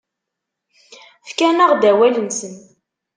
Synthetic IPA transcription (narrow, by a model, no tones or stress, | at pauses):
fkænəʁd̪æwælənsən